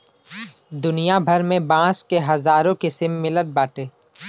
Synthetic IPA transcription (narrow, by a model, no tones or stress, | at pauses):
d̪ʊnijabʱɐɾmẽbãːskeɦɐzaːɾõkesɪmːɪlət̪̚baːʈeː